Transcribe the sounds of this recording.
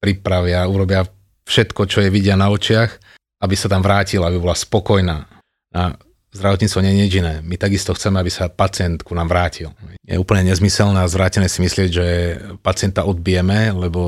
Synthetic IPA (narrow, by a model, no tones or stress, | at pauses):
pɾipɾaʋɪauɾɔbɪa | fʃɛt̪kɔt͡ʃɔjɛʋiɟɪanaɔt͡ʃɪax | abisat̪amʋɾaːcilabibɔlaspɔkɔjnaː | na | zd̪ɾaʋɔt̪ɲit͡st̪ʋɔɲɛɲɲid͡ʒinɛːmit̪aɡist̪ɔxt͡sɛmɛabisapat͡sɪɛnt̪kunamʋɾaːcilɲɛ̰j̰ɛuːpl̩ɲɛɲɛzmisɛlnɛazʋɾaːcɛnɛːsimislɪɛɟʒɛpat͡sɪɛnt̪aʔɔd̪̚bijɛmɛlɛbɔ